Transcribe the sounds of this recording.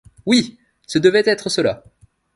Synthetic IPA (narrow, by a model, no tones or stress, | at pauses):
wi | səd̪əvɛt̪ɛt̪χəsəla̰